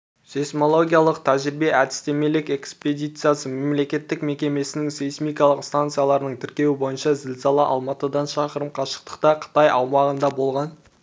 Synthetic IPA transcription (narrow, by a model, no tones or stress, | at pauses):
sesmo̞lˠo̞ɡʲijalˠəq̚t̪ʰæʒɪɾɪbe̞ʔæd̪ɪst̪e̞me̞lɪke̞kspe̞d̪ʲijt̪sɨjasəme̞mle̞kʲe̞t̪ːɪkme̞kʲe̞me̞sɪnɪŋsejsmijkɑlˠəqst̪ant̪sɨjalˠɑɾənəɴt̪ʰɪɾkʲe̞wɪbo̞jənʃɑzɪlsɑlˠəʔɑ̰lˠmɑt̪əd̪ɑnʃɑqəɾəmqʰɑʃə̥q̚t̪ə̥q̚t̪ɑqʰə̥t̪ɑjɑ̰wmɑʁənd̪ɑbo̞lˠʁɑn